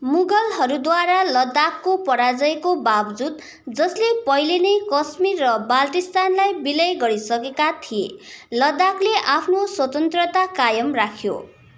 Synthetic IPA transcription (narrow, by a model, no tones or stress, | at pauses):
muɡʌlɦʌɾud̪waɾalʌd̪akːopʌɾad͡zʌekobabd͡zud̪̚ | d͡zʌslepʌjlenʌjkʌsmirːʌbalʈist̪anlajbilʌjɡʌɾisʌkekat̪ʰijḛlʌd̪akleʔapʰnoswʌt̪ʌnt̪rʌt̪akajʌmrakʰjo̰